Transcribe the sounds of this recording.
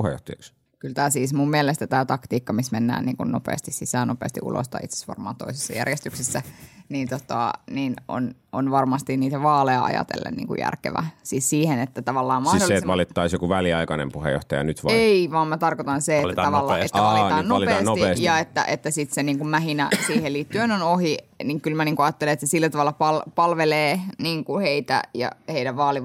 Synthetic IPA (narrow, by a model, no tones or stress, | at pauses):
puhejo̰ht̪ɑjɑks | kylt̪æːsiːsmummielest̪æt̪æːt̪ɑkt̪iːkːɑmismenːæ̰ːnḭːŋkunnopḛːst̪issisæːnopḛːst̪iʔṵlʔo̰st̪ɑḭt̪se̥sʋɑ̰rmɑ̰ːnt̪oisesːɑ̰jæ̰rjest̪yksesːæniːnt̪ot̪ɑ̰niːno̰n | o̰nʋɑrmɑst̪inniːt̪æʋɑːlejɑɑ̰jɑ̰t̪ḛlːḛnnḭːŋkṵjæ̰rkḛʋæ̰siːssiːhenet̪ːæt̪ɑʋɑlːɑːmmɑholet̪ɑlit̪ːɑisjokuʋæliɑikɑnḛmpuhḛjo̰ht̪ɑjɑ̰nyt̪ʋeiʋɑːmmæt̪ɑrkot̪ɑnselːæt̪ːɑʋɑlːɑet̪ːæɑliɑːnnlpenotieːjɑet̪ːæ̰ʔet̪ːæsit̪seniːŋkummæhinæ̰siːhelliːt̪ːyenonohiniŋkylmæniːŋkuɑːt̪ːeleet̪sesilːæt̪ɑʋɑlːɑpɑlpɑlʋeleːniːŋkuheit̪æ̰jɑ̰heidæʋʋɑːliʋ